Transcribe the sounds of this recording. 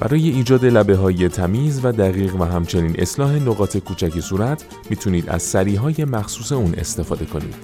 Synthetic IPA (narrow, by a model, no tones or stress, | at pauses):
b̥æ̰ɾɒːje̞iːd͡ʒɒːd̪e̞læbe̞ɦɒːje̞t̪ʰæmiːzvæd̪æɣiːɣvæɦæmt͡ʃʰe̞niːnʔe̞slɒːɦe̞noɣɒːt̪ʰe̞kʰuːt͡ʃʰæcesuːɾæt̪ʰ | miːt̪ʰuniːd̪æ̰z̥sæɾiːɦɒːje̞mæxsuːse̞uːnʔe̞̰st̪e̞fɒːd̪e̞kʰo̞nḭːd̪̥